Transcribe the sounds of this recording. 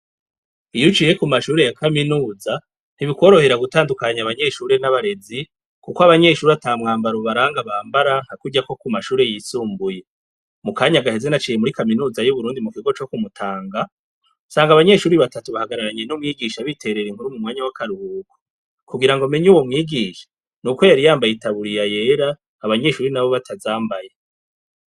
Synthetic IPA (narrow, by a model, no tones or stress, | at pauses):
ijut͡ʃije̞kumaʃuːɾe̞jakaminuːza | n̥iβikwo̞ːɾo̞he̞ɾaɡutaːndukaɲaβaɲe̞ʃuːɾe̞naβaɾe̞zi | kukoaβaɲe̞ːʃuːɾataːmŋaːmbaɾuβaɾaːŋɡaβaːmbaɾaŋ̥hakuɟako̞kumaʃuːɾe̞jiːsuːmbuje̞ | mukaːɲaɡaɦe̞ze̞nat͡ʃiːje̞muɾikaminuːzajuβuɾuːndimukiɡo̞t͡ʃo̞kumutʰaːŋɡa | saːŋɡaβaɲe̞ːʃuːɾiβatatuβahaɡaɾaɾaɲe̞numŋiːɡiʃaβitʰe̞ɾe̞ɾiŋhuɾumumŋwaːɲawakʰaɾuhuːɡo | kuɡiɾaŋɡome̞ɲuwomŋiːɡiːʃḁ | nukwo̞jaɾijaːmbajetʰaβuɾijaje̞ːɾaː | βaɲe̞ʃuːɾinaβo̞βatʰazaːmbaje